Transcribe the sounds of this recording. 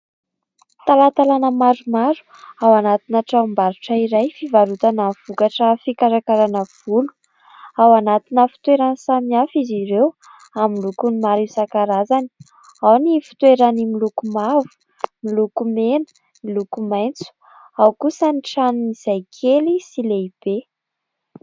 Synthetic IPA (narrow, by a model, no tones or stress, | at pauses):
t̪alat̪alanəmaɾumaɾu̥ | awanat̪inaʈ͡ʂambaɾuʈ͡ʂəiɾajfivaɾut̪anav̥ukaʈ͡ʂəfikaɾakaɾanəv̥ulu̥ | awanat̪inəfi̥t̪weɾansamiafiziɾew | amilukunimaɾisakaɾazani̥ | awnifi̥t̪weɾanimilukumavu̥ | milukumenə̥ | milukumajnt͡su̥ | awkusəniʈ͡ʂanuniz̥ajkʰelisileib̥e